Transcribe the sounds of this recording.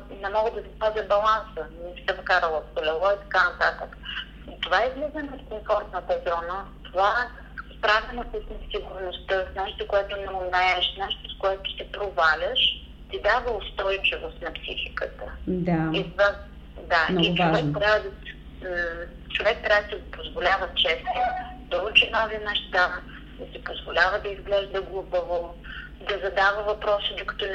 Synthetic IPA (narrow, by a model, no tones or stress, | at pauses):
nɛmɔɡəd̪ɐsɛpazʲəbɐlˠansənɛsɛvɐkaɾəlˠəxolʲɛlˠɔit̪ɐ̥kanɐt̪at̪əkə | t̪ovaɛizɡlɛzənot̪koɱfɔɾt̪nət̪ɐzɔnət̪ova | spɾavʲɛnɐsəsnɐsiɡʊɾnost̪əsnɛʃt̪okoɛt̪ʊnɛomnɛɛʃnɛʃt̪oskoɛt̪ʊ̥sɛpɾovalʲəʃ | t̪id̪avəost̪ɔjt͡ʃɪvost̪nɐpsḭxikət̪əd̪ait̪va | d̪annivoɛkt̪ɾʲavəd̪ɐ | t͡ʃovɛk̚t̪ɾʲavət̪əɡpozvolʲavət͡ʃɛst̪od̪olut͡ʃɛnɔvinɛʃt̪d̪avə | d̪ɐsipozvolʲavəd̪ɐizɡlɛʒd̪əɡlˠubəvo | d̪ɐzɐd̪avəvɐpɾɔsəd̪okɐ̥t̪ɔn